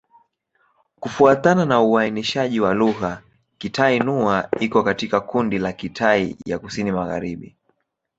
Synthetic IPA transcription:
kufuatananauainiʃaʄiwaluɣa | kitʰainuaikɔkatikakundilakitʰaḭja̰kusinimaɣa̰ɾiɓḭ

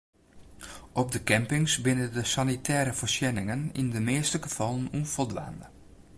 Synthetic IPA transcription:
ʔɔp̚dəkɛmpɪŋsbɪnəndəsanitʰɛːɾəfərsjɛnɪŋənḭndəmeːstəɡəfɔlˠənunfɔlˠdʋa̰ːnə

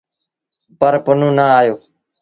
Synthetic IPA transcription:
pəɾpənũːnaaːjoː

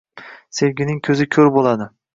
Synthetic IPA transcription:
se̞vɡʲɪnɪŋkʲʰɵzɪkʲʰɵɾbolˠad̪ɪ

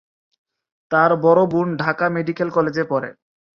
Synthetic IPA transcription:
t̪aɾbɔɾobuɳɖʱakameɖikelkɔled͡ʑepɔɾḛ

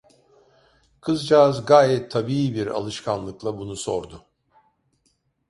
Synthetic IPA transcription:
kʰɯzd͡ʒazɡaːjɛt̪ʰːabiibiɾa̰lˠɯʃkʰanlˠɯklˠabunuso̞ɾd̪ʊ

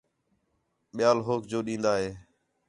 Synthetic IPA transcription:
ɓɪjaːlɦoːkd͡ʒoːɗĩːnd̪aːɦeː

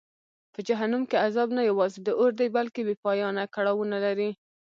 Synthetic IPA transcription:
pəd͡ʒaɦanumkeazɑbnajawɑzed̪əʔoɾd̪ajbalkebepɑjɑnakaɽɑwunalaɾi

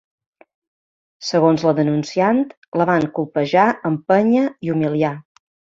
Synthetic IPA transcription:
səɣonzləðənunsiant̪ | ləβaŋkulˠpəʒaʔəmpəɲəiumilia

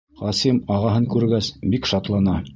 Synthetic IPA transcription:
χɑsimɑʁɑɦɤŋkʉɾɡæsbikʃɑt̪lˠɑnɑ

